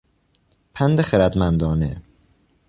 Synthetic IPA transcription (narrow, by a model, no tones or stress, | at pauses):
pʰænd̪exeɾæd̪mænd̪ɒːne